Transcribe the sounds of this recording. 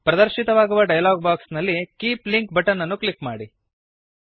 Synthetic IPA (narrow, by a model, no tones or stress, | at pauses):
pɾɐd̪ɐɾʃit̪ɐʋaːɡuʋɐɖɐjɐlaːɡ̚baːksnɐlːikiːpliŋkbɐʈɐnːɐnːuklikmaːɽi